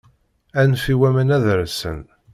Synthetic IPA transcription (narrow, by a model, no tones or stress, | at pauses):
ænfiwæmənæðɾsə̰n